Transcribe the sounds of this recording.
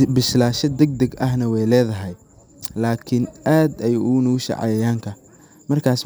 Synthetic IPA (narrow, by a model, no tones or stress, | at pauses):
bɪʃlaːʃɐd̪ɐɡ̚d̪ɐɡɐɦnɐwɛjlɛːðɐɦɛj | laːkʰɪnʔaːd̪ɛjʊʊnʊʊʃɑ̰ʕɑ̰jɐjaːŋkʰɐ | mɐrkʰaːs